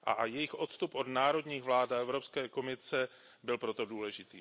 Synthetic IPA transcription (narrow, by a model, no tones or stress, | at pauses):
ʔa̰jɛjɪxʔo̞t̪st̪upʔo̞dnaːɾo̞dɲiːɣvlaːdaɛvɾo̞pskɛːko̞mɪsɛ | bɪlpɾo̞t̪o̞duːlɛʒɪt̪iː